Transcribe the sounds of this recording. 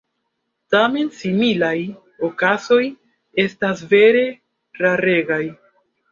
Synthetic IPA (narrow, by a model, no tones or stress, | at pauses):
tame̞nsimilaj | okaso̞j | e̞stasve̞ɾe̞ | ɾaɾe̞ɡaj